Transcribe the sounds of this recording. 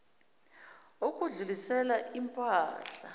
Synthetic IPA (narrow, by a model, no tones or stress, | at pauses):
ok̬ʼuɮulisɛlaimpʼaːɬa